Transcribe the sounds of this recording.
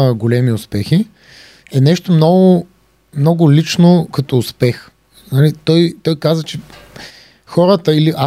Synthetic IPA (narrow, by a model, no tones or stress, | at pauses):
əɡolɛmiʊspɛxi | ɛnɛʃt̪omnɔɡʊ | mnɔɡʊlit͡ʃnokɐt̪oːʊspɛx | nɐlit̪ɔjt̪ɔjkazvət͡ʃɛ | xɔɾət̪əiliʔa